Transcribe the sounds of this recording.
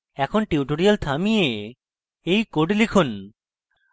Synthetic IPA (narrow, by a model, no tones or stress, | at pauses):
ɛkʰonʈiuʈoɾijalt̪ʰamije | ejkoɖlekʰun